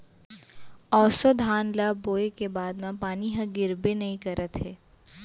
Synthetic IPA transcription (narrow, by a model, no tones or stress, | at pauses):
ɔːsod̪ʱaːnlaboːekebaːd̪mãpaːniɦɐ̃ɡɪɾbenɐɦĩkɐɾət̪ɦɛː